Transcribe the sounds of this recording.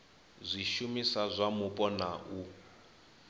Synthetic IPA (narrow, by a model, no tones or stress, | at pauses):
zʷiʃumisazʷamupʼɔnaʔu